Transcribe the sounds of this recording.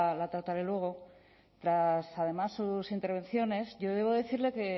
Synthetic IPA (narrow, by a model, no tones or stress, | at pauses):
lat̪ɾat̪aɾe̞lwe̞ɣ̞o̞ | t̪ɾasað̞e̞masːusint̪eɾβ̞ẽ̞nθjo̞ne̞zʝo̞ðe̞β̞o̞ðe̞θiɾle̞ke̞